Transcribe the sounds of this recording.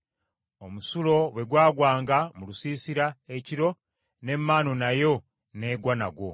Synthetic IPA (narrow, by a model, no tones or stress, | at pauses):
omusulo̞βwe̞ɡwaːɡwaːŋɡamulusiːsiɾae̞ciɾo̞ | ne̞mːaːno̞najo̞ | ne̞ːɡwana̰ɡwo̞